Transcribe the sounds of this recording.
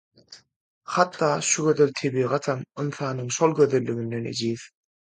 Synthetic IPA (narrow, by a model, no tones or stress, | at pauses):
χɑt̪ːɑːʃuɡø̞ðølʲt̪ʰeβiːʁɑt̪ʰɑmɯnθɑːnɯɴʃo̞lˠɡøðølːyɡynd̪enḛd͡ʒiːð